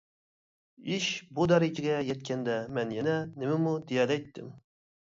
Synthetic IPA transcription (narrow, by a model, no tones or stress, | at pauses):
iʃbud̪ɑɾid͡ʒiɡʲɛjɛt̪̚kʲʰɛnd̪ɛmɛnjɛnɛnɪmɪmud̪ijɑːd̪ɛjt̪ʰːɪm